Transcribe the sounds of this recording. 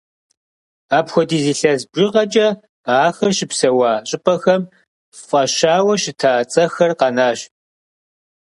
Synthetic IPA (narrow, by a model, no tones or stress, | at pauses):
aːpxʷɔdiːziːɬɐzbʒɪʁɐt͡ʃʼɐ | aːxɐʃɪpsɐwaːɕʼɪpʼɐxɐm | fʼɐʃaːwɐɕɪtʰaːt͡sʼɐxɐrqɑnaːɕ